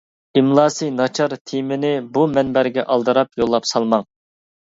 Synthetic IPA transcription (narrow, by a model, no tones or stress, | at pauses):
imlˠɑːsɨjnɑt͡ʃʰɑɾt̪ʰimɪnɪbumɛnbæɾɡʲɛʔɑlˠd̪ɨɾɑpjolˠːɑpsɑlˠmɑŋ